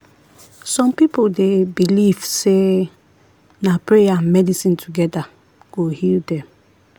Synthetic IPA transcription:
sɔ̃mpipodebilivse | napɹejamɛdisĩntʰuɡɛda | ɡ̥ohildɛ̃m

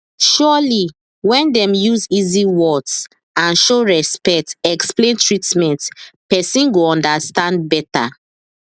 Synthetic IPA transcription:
ʃɔli | wɛ̃ndɛ̃mjuziziwɔds | ãnʃoɹɛspɛk̚tɛksplẽntɹitmɛ̃ntpɛsĩnɡoɔ̃ndastãnd̚bɛta̰

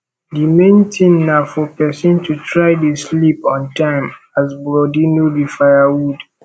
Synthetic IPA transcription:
dimẽntʰĩnnafɔpɛsɔ̃ntutʰɹaɪdislipɔ̃ntʰãɪ̃m | azbɹɔdinobifajawud

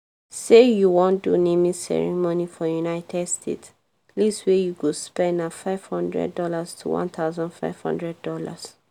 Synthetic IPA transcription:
sejuwɔ̃ndṵnemĩsɛ̰ɹḭmɔnifɔjunaɪtʰɛdstʰḛt | liswejuɡospɛ̃nafaɪv̥hɔ̃ndɹɛ̰ddɔlastʰṵwɔ̰̃nt̪aʊzɔ̃nfa̰ɪv̥hɔ̰̃ndɹɛd̚dɔla̰s

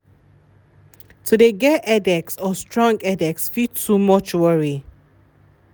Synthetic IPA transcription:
tʰudeɡɛʔɛdɛksɔstʰɹɔ̃ŋɡɛdɛksfid̚tʰːumʌt͡ʃwəɹi

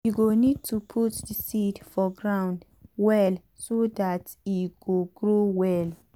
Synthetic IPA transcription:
juɡonid̚tʰupʰutdisidfɔɡɹãw̃nd | wɛl | sodat | iɡ̥oɡɹowɛl

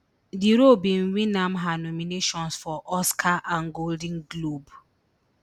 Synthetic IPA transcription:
diɾobĩnwinãmɦanɔmineʃɔ̃nsfɔʔɔskʰaʔãŋɡold̃nɡlob

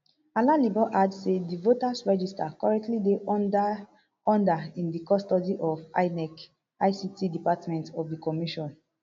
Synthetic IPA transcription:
alalibɔʔadsedivotasɹɛd͡ʒistakɔɹɛk̚tlide | ɔ̃ndaĩndikɔstɔdiʔɔfa̰ɪnɛk | aɪsitidipatmɛ̃ntɔfdikɔmiʃɔ̃n

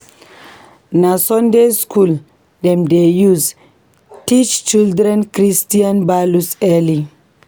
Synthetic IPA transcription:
nasɔndeskul | dɛmdejuz | tit͡ʃt͡ʃildɾɛnkɾistianbalusɛli

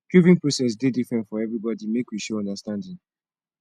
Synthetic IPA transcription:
kuvĩŋpɹosɛs̬dedifɹɛ̃ntfɔɛvɹibɔdimekwiʃɛɔ̃ndəstãndĩŋ

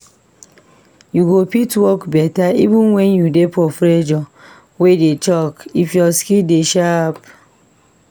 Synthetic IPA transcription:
juɡopitwɔkbɛtaḭvũnwɛnjudepɔfɾed͡ʒɔ | wedet͡ʃɔkifjɔskideʃap

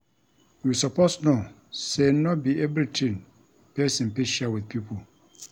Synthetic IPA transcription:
jusapʰosno | senɔt̚biɛvɾitʰĩn | pʰɛsĩnpiʃawɪθpʰipʰol

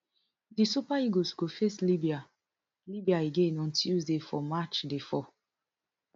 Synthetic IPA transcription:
disupaiɡosɡ̥ofeslibia | libiaeɡẽnɔ̃ntjuzdefɔmat͡ʃdefɔ

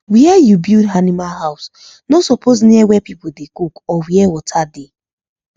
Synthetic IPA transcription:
wiɛjubildanimalɦaʊs | nosɔpʰoz̬niɛwɛpipudekukɔwiɛwɔtʰade

